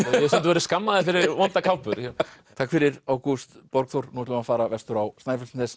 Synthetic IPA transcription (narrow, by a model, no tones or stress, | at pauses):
jɛsɛnt̪vɛɾɪskamːaðɪfɪɾɪɾvɔnt̪akʰawpʏɾ̥jat̪ʰaːkfɪɾɪɾawkust̪pɔɾkθowɾ̥nuwt̪lʏmafaːɾavɛst̪ʏɾawst̪ajfɛlsnθɛs